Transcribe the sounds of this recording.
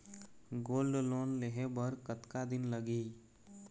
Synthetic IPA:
ɡoːlɖloːnleɦebəɾkət̪kad̪ɪnləɡi

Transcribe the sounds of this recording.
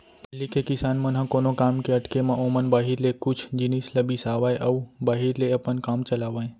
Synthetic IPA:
pelikekɪsaːnmãnɦãkonokamkeəʈkemãʔomənbaɦiɾlekʊt͡ʃʰd͡ʒinisləbisaʋajʔəubaɦiɾleəpənkamt͡ʃəlaʋãj̃

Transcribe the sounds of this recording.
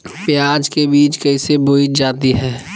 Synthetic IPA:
pjaːd͡ʒkebiːt͡ʃkɛseboːid͡ʒaːt̪iɦɛː

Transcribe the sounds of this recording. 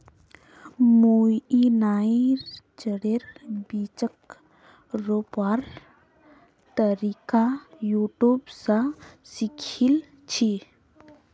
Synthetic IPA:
mujinaːiɾt͡ʃəɽeɾbiːt͡ʃək | ɾopaːɾ | t̪əɾikajuːʈjuːbsasikʰil | t͡ʃʰi

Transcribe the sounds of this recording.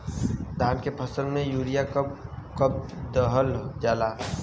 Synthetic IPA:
d̪ʱaːnkepʰəsəlmẽjuːɾijakkəb̚d̪əɦəld͡ʒaːlaː

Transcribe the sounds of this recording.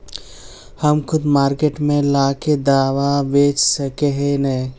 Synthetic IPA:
həmkʰʊd̪maːɾkeʈmẽlaːked̪aːʋabeːt͡ʃsəkeɦenə

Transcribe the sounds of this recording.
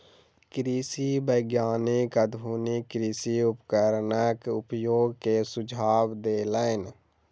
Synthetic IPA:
kɾiːsiːbəɡjaːnɪkəd̪muːnikɾiːsiːʊpkəɾnəkʊpjoːɡkeːsʊd͡ʒʱaːʋd̪eːləɪn

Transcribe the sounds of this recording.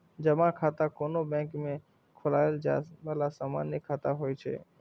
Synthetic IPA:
d͡ʒəmãkʰaːt̪akoːnobɛ̃ːkmẽ | kʰʊlaːeld͡ʒa̰ːbəlasaːma̰ːnjəkʰaːt̪aɦoːit͡ʃʰḛː

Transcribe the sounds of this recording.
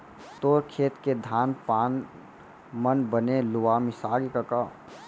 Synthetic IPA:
t̪oːɾkʰeːt̪ked̪ʱaːnpaːn | mənbənelʊwaːmɪsaːɾikəka

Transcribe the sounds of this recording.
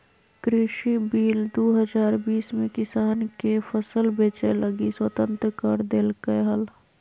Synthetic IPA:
kɾɪʃibiːld̪oːɦəd͡ʒaːɾbiːsmẽkɪsaːnkepʰəsəlbeːt͡ʃeləɡiswət̪ə̃nt̪ɾəkəɾd̪eːlkəɦəl

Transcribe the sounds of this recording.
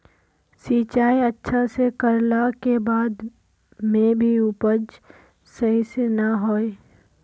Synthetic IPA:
siːt͡ʃaːiətːʃʰasekəɾlakebaːd̪ | mẽbʱiupəd͡ʒ | sɐɦisenaɦoːe

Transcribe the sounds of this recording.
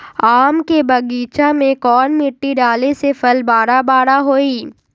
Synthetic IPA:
aːmkebɐɡiːt͡ʃamẽkɔːnmɪʈːiɖaːlesepʰɐlbaːɽabaːɽaɦoːiː

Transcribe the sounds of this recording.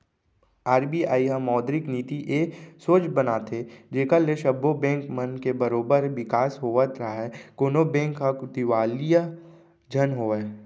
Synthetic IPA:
aːɾbiaːiɦãmɔːd̪ɾɪkniːt̪iʔeːsoːt͡ʃbənaːt̪ʰed͡ʒeːkaleʃəbːobɛ̃ːŋkmənkebəɾoːbəɾʋɪkaːsɦoːʋət̪ɾɦaɦɛkoːnobɛ̃ːŋkːakʊt̪iʋaːlija | d͡ʒʱənɦoːɛː

